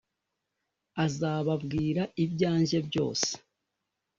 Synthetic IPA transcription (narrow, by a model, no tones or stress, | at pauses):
azaːβabɡiːɾaibɟaːɲʒe̞bjo̞̰ːse̥